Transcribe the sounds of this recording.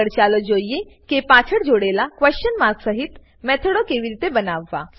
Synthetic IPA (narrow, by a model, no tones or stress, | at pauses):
əɽt͡ʃaːlod͡ʒoːijekepaːt͡ʃʰəɽd͡ʒoːɽelakʋɛst͡ʃənmaɾɡsəɦit̪ | mɛːt̪ʰəɽokeːʋiɾiːt̪ebənaːʋːa̰